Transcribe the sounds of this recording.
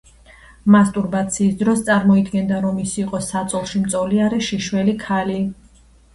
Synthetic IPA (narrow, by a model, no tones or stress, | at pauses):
mast̪ʼuɾbat̪sʰiːsd̪ɾɔst̪sʼaɾmɔid̪ɡɛnd̪aɾɔmisiːqʼɔsat̪sʼɔlˠʃimt̪sʼɔliaɾɛʃiʃwɛlikʰali